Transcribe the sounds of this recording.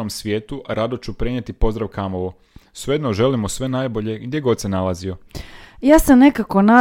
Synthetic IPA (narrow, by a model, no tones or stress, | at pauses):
omsʋje̞ːt̪uʔaɾad̪ot͡ɕupɾeɲet̪ipo̞zd̪ɾaʋkamo̞ʋo | seed̪noʒe̞limosʋe̞naːjbo̞ʎe̞ɡd̪ʲje̞ɡo̞d̪senalˠazio̞jaːsamne̞kako̞na